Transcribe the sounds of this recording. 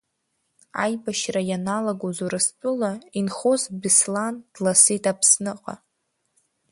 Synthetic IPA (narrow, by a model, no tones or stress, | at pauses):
a̰jbaʃrajanalaɡozuɾɨspʼʊlainχozbɪsland̥lasetʰapʰsnɨqʼa̰